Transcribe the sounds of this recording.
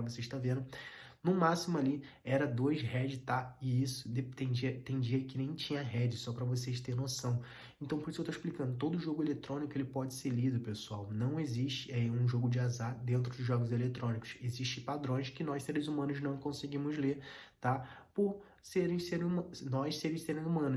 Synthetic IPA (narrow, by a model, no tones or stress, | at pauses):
voseʃt̪avẽnd̪ʊ | nʊmasimʊali | ɛɾɐd̪oɐjzɦɛd͡ʒɪt̪aɪisʊ̥d̪et̪ẽd͡ʒiɐt̪ẽd͡ʒiɐkɪnẽj̃t͡ʃĩɲɐɦɛd͡ʒɪsɔpɾɐvoseʃt̪eɾnosɐ̃w̃ | ẽnt̪ɐ̃w̃poɾisʊewt̪oiʃplikɐ̃nd̪ʊt̪od̪ʊːʒoɡʊelet̪ɾõnikʊelɪpɔd͡ʒɪseɾlid̪ʊpesuawnɐ̃w̃eziʃt͡ʃɪɛũʒoɡʊd͡ʒɪazad̪ẽnt̪ɾʊd̪ʊzʒɔɡʊzelet̪ɾõnikʊ̥seziʃt͡ʃɪpad̪ɾõj̃ʃkɪnɔjseɾɪzumɐ̃nʊznɐ̃w̃kõsɪɡĩmʊzlet̪apoɾ | seɾẽj̃seɾumnɔjsseɾɪseɾẽj̃umɐ̃nʊ